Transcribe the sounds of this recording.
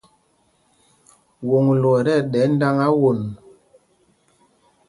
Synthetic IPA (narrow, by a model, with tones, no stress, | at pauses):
wo˨ŋ˨lɔ˨ɾɛ˦˨ɗɛ˨˦n˦da˦ŋa˦wo˨n˨